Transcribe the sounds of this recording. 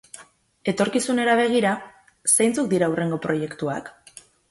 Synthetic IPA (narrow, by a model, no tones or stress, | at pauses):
e̞t̪o̞ɾkisune̞ɾaβ̞e̞ɣ̞iɾa | sejnt͡suk̚d̪iɾaure̞ŋɡo̞pɾo̞je̞kt̪uak